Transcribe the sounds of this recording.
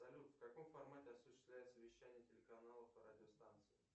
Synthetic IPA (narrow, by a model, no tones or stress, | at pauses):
ɐlʲut̪fkɐko̞mfɐrmatʲɪɐsʊɕːɪ̥st̪vlʲæjɪt̪səvʲɪɕːænʲɪjətʲɪlʲɪkɐnalˠəfɨradʲɪost̪ant̪sɨɪ